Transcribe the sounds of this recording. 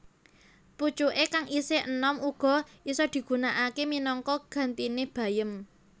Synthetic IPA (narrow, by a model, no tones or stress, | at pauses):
put͡ʃuʔekaŋiseʔənɔmuɡ̥ɔ̤ʔisɔd̪̥i̤ɡ̥ṳnaʔakeminɔŋkɔɡ̥a̤nt̪ineb̥ä̤jəm